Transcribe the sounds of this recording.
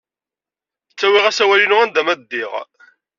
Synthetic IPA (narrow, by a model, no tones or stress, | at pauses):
t͡sːæwɪʁæsæwælinʊʁænd̪æmæd̪ːiʁ